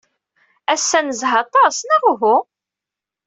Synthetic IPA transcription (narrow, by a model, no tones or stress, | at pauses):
æsːænəzɦɑt̪ˤɑsnæʁɦʊ